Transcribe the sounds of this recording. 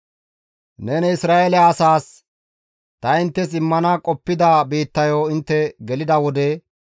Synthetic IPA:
nɛnɛɪsɾaːelɛaːsaːs | t̪ɐɪnt̪ːɛs̬ɪmːɐnɐkʼɔpːɪd̪ɐbiːt̪ːɐjoːɪnt̪ːɛɡɛlɪd̪ɐwɔd̪ɛ

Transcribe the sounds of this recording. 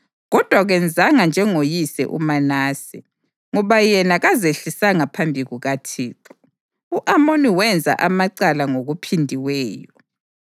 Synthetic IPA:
ɣɔd̥ʱwaɣɛnd͡zʱaŋand͡ʒʱɛŋojisɛ̰ʔṵmanaːsi | ŋɔβajɛnaɣazeɬisaŋapʰambʱiɣuɣatʰiːǁu̥ | uʔamoniwɛnd͡zʱa̰ʔamaǀalaŋoɣupʰindʱiwɛːjɔ

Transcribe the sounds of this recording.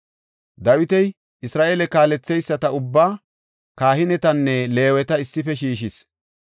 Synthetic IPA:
d̪ɐwɪt̪ɛj | ɪsɾaːʔeːlɛkaːlɛt͡sːɛjsːɐt̪ɐʊbːaː | kaːhɪnɛt̪ɐnːɛle̞ːwɛt̪ɐɪsːɪfɛʃiːʃɪs

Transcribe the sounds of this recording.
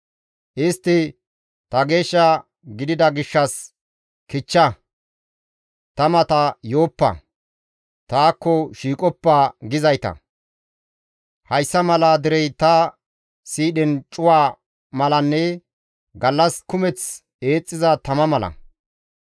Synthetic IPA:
ʔɪst̪ːɪ | t̪ɐɡe̞ːʃːa | ɡɪd̪ɪd̪ɐɡɪʃːɐs | kɪt͡ʃːɐ | t̪ɐmɐt̪ɐjo̞ːpːɐ̰ | t̪aːkːɔʃiːkʼɔpːaːɡɪzɐjt̪ɐ̰ | hɐjsːɐmɐlaːd̪ɪɾɛjt̪ɐ | siːɗɛnt͡ʃʼʊwaː | mɐlɐnːɛ | ɡɐlːɐskʊmɛt͡s | e̞ːt͡sʼːɪzɐt̪ɐmɐmɐlɐ̰

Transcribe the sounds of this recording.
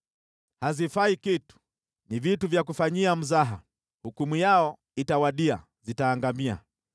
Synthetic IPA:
hazifaikitu̥ | nivituvjakufaɲiam̩zaɦa | hukumujaɔ | itawaɗia̰ | zitaːŋɡamia̰

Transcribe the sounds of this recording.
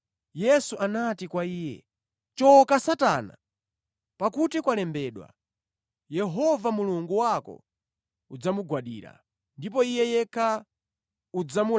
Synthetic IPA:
jɛsuʔanatikwaiːjɛ̰ | t͡ʃɔkasata̰na̰ | pakutikwalɛmbɛːɗwa̰ | jɛɦɔvamuluŋɡuwakɔ̰ | ud͡zamuɡwaɗḭːɾa̰ | ndipɔijɛjɛkʰa | ud͡zamu

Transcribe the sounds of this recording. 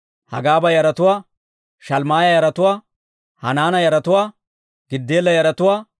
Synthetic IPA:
hɐ̰ɡaːbɐjɐɾɐt̪ʊwaː | ʃɐlmaːjɐjɐɾɐt̪ʊwaː | hɐ̰naːnɐjɐɾɐt̪ʊwaː | ɡɪd̪ːeːlːɐjɐɾɐt̪ʊwaː

